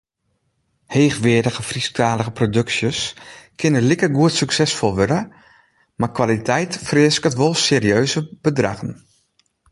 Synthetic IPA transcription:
heːxʋɪədəɣəfristʰaːləɣəprodɵksjəskʰɪnəlikəɡuətsyksɛsfɔlˠʋødə | makʋalitʰɛjtfrɪəskətʋolˠseːɾiøːzəb̥ədraɣən

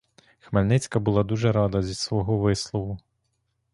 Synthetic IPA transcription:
xmɐlʲnɪt͡sʲkɐbulˠɑd̪uʒɛɾɑd̪ɐzʲisʋɔɦɔʋɪslˠɔʋʊ

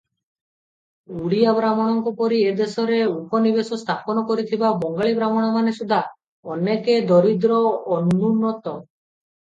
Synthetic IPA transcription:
uɽijabɾamɔɽ̃ɔŋkɔpɔɾied̪esɔɾeupɔnibesɔst̪ʰapɔnɔkɔɾit̪ʰibabɔŋɡaɭibɾamɔɽ̃amanesud̪ʱa | ɔneked̪ɔɾid̪ɾɔːnununːɔt̪ɔ

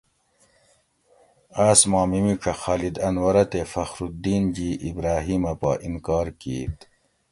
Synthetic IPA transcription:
aːsmaːmimiʈ͡ʂʰɐxaːlid̪ɐnwɐɾɐt̪efɐxɾud̪iːnd͡ʑiːʔːbɾaːɦiːmɐpa̰ʔinkɑːɾkḭːt̪

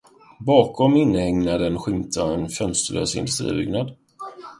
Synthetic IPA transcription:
bɑːkɔmɪnːhɛŋnad̪ənɧɪmt̪ʰaɛnfœnst̪əɭø̰ːsɪ̰nd̪ɵst̪ɾḭːbʏ̰ɡnad̪

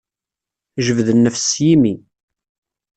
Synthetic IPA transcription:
ʒəvðənːəfsjimi

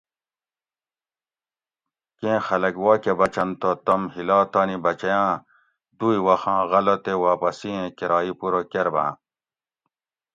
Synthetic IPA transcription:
kẽːxɐlɐɡwaːkebɐt͡ɕɐnt̪ot̪ɐmhilaːt̪aːnibɐt͡ɕɐjãː | d̪uiwɐxãːɣɐlɐt̪ewaːpɐsiẽkeɾaːipuɾokeɾbã̰ː

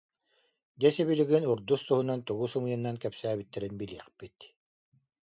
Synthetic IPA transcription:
d̪ɛsɛβiliɡinuɾd̪ust̪uɦunant̪uɣusumɯjanːankɛpsæːbit̪ːɛɾinbiliɛχpit̪

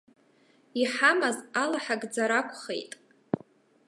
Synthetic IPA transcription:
iħamazalaħaɡʼd͡zaɾakʷʰʼχe̞̰jtʼ

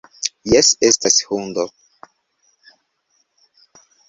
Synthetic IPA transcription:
jesest̪ashund̪o

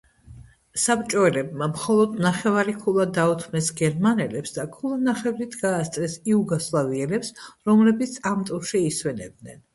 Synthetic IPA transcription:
sapt͡ʃʼɔɛlɛb̚mamχɔlˠɔd̪naχɛvaɾikʰulˠad̪aut̪ʰmɛsɡɛɾmanɛlɛpsd̪akʰulˠanaχɛvɾit̪ʰɡaːst̪sʼɾɛsiuɡɔslˠaviɛlɛpsɾɔmlɛbit̪sʰamt̪ʼuɾʃiiswɛnɛ̰b̚d̪nɛn

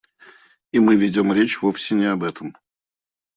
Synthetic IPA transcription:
imɨvʲɪdʲo̞mɾʲet͡ɕvofsʲɪnʲɪɐbɛt̪əm

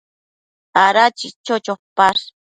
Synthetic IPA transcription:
aɾat͡ʃit͡ʃot͡ʃopaɾ

